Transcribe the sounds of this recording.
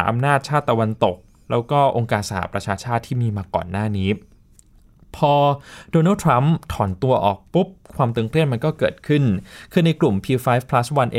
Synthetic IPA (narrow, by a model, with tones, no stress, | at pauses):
ʔa̰˧mnaː˥˩t̪̚t͡ɕʰaː˥˩t̪ːa˧wa˧nt̪o˨˩k̚ | lɛː˦˥wkɔː˥˩ʔo˧ŋkaː˧nsa˧˩ha̰˦˥pɾa˧t͡ɕʰaː˧t͡ɕʰaː˥˩t̪ʰːiː˥˩miː˧maː˧kɔ̰ː˨˩nːaː˥˩niː˦˥ | pʰɔː˧doː˧na˥˩t̪ʰɾa˦˥mt̪ʰɔː˩˦nt̪u˧ɐʔɔ̰ː˨˩k̚pu˦˥p̚kʰwaː˧mt̪ɯ˧ŋkʰɾi˥˩ənma˧nkɔː˥˩kɤː˨˩t̪̚kʰɯ˥˩nkʰɯː˧na˧jklu˨˩mpʰiː˧faː˦˥jfpʰla˦˥swa˧nʔe˧